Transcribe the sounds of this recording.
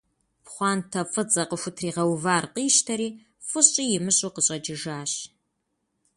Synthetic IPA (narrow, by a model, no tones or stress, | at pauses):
pχʷɑːntʰɐfʼɨt͡sʼɐqʼəxʷʊtʰriːʁɐwvaːrqiːʃtʰɐɾiː | fɨɕʼijɪmɨɕʼuqəɕʼɐd͡ʒɪʒaːɕ